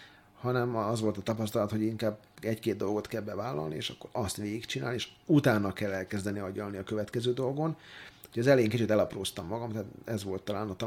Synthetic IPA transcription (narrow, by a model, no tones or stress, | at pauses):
hɒnɛmɒzʋo̞lt̪ɒt̪ɒpɒst̪ɒlɒt̪ho̞ɟiŋkaːb | ɛckeːd̪d̪o̞lɡo̞t̪kɛlbɛvaːlːɒ̰lniḛːʃɒkːo̞ɾɒst̪ʋeːɡikt͡ʃina̰ːlieːʃut̪aːnːɒkɛlːɛlkɛzd̪ɛniɒɟɒlniɒkøvɛt̪kɛzøːd̪o̞lɡo̞nhoɟɒzɛlejːŋkit͡ʃyt̪ɛlɒproːst̪ɒmːɒɡɒmt̪at̪ɛzʋo̞lt̪ːɒlaːnɒt̪